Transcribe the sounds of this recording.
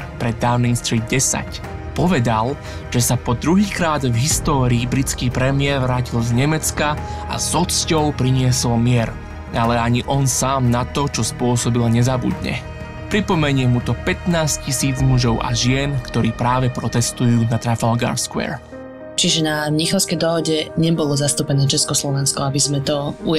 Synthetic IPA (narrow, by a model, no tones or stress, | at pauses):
pɾɛd̪ːaʊniŋst̪ɾiːd̪̚ɟɛsa̰c | pɔʋɛd̪al | ʒ̥ɛsapɔd̪ɾuɦiːkɾaːd̪vɦist̪ɔːɾiːbɾit͡skiːpɾɛmɪɛɾʋɾaːcilzɲɛmɛt͡skaa̰zɔt͡scɔʊpɾiɲɪɛsɔlmɪɛɾ | alɛaɲiʔɔnsaːmnat̪ɔt͡ʃɔspʊɔsɔbilaɲɛzabṵd̪ɲɛ̰ | pɾipɔmɛɲɪɛmut̪ɔpɛt̪naːscisiːd͡zmuʒɔʊʔa̰ʒɪɛnkt̪ɔɾiːpɾaːʋɛpɾɔt̪ɛst̪ujuːnat̪ɾafalɡa̰ːɾskʊɛ̰ːɾ | t͡ʃiʒɛnaɲixɔʊskɛjd̪ɔɦɔɟɛɲɛbɔlɔzast̪upɛnɛːt͡ʃɛskɔslɔʋɛnskɔabizmɛt̪ɔu